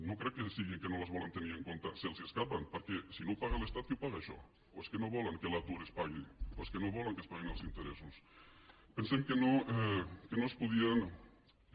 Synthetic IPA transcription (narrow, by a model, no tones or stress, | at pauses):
nokɾewkesiɣeŋkenolazβolant̪eniɾeŋkont̪aselseskapanpaɾkesinopaɣalest̪at̪jupaɣaʃɔ̰ | oeskenoβolaŋkelat̪uɾespaɣioeskenoβolaŋkespaɣinelsint̪eɾesus | pensemkenokenospuð̞ian